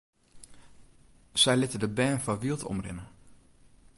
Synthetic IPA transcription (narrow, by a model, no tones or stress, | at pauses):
z̥ɛjlɪtədəbɛːnfɑʋiːlˠtʰɔ̰mrɪ̰nə